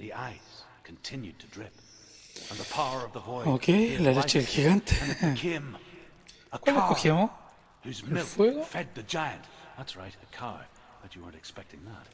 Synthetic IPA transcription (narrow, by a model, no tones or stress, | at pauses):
ðiʔaɪs | kʰn̩tʰɪ̃njʉd̚tʰɨdɹɪp | ə̃nðəpʰaʊə˞ʌvðəvɔɪokelalet͡ʃelxiɣant̪ẽ̥kʰɪ̃m | əkaakoxjamã | hʉzmɪlˠfwɛɣofɛd̪̚ðɨd͡ʒaɪɨ̃ntðætsɹaɪtɨkʰaɹ | ðɨt͡ʃɨwə̰˞ntɨkspɛk̚tɪ̃ŋðæ̰t̚